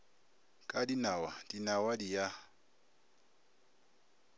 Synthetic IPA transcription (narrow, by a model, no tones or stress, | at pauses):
kʼadinawad̥inawadija